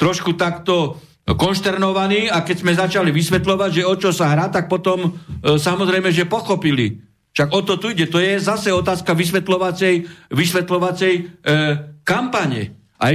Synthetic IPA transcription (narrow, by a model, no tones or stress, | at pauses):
t̪ɾɔʃkut̪akt̪ɔ | kɔnʃt̪ɛɾnɔʋaniːakɛczmɛzat͡ʃaliʋisʋɛt̪lɔʋaɟʒɛɔt͡ʃɔsaɦɾaːt̪ak̚pɔt̪ɔmsamɔzɾɛjmɛʒɛpɔxɔpilḭ | ʃaɡɔt̪ɔt̪uiɟɛt̪ɔjɛzasɛɔt̪aːskaʋisʋɛt̪lɔʋat͡sɛjʋisʋɛt̪lɔʋat͡sɛj | kampaɲɛ̰ | a̰